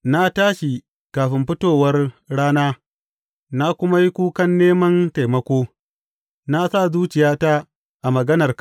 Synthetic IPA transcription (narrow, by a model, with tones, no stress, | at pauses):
na˦taː˦ʃi˨ | kaː˨ɸɪ˦mɸɪ˦toː˦˨wɐ˦rɽaː˦naː˦ | na˦kʷʊ˦ma˦ji˦kʷuː˦kɐ˦nːeː˦mɐ˦nta˨jmɐ˦kʷoː˦ | na˦sa˦˨zuː˦t͡ʃɪ˨jaː˦ta˦ | ʔa˨mɐ˨ɡɐ˦nɐ˨r